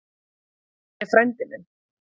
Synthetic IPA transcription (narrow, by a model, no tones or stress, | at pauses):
ɛfɾɛnt̪ɪnɪn